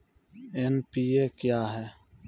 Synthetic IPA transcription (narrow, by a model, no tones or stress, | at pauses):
eːnpiːeːkjaːɦɛː